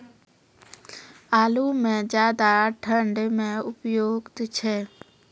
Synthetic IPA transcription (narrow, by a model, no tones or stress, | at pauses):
aːlumẽd͡ʒjaːd̪aʈʰə̃ɳɖmẽʊpjoːɡt̪t͡ʃʰɛ